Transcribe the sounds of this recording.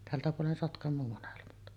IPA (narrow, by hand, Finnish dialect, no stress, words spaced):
tæltæ puolen sotkɑmˑoː monelmɑt